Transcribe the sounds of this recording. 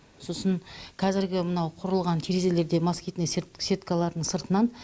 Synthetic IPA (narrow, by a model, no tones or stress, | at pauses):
so̞səɴqʰɑzɪɾɡʲɪmənɑwqʰʊɾəlˠʁɑnt̪ʰiɾezele̞ɾd̪e̞maskʲijt̪nɪssʲet̪kɑlˠɑɾd̪əɴsəɾt̪ənɑn